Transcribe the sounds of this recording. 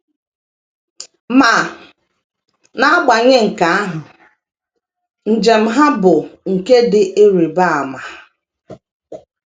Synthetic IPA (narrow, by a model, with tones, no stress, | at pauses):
ma˨ | na˦a˦ɡ͡ba˨ɲe˦ŋ̩˨ka˨a˦ɦʊ˨ | n̩˨d͡ʒe˨m̩˦ɦa˦bʊ˨ŋ̩˨ke˦dɪ˨ʔe˦ɾi˨ba˦a˨ma˨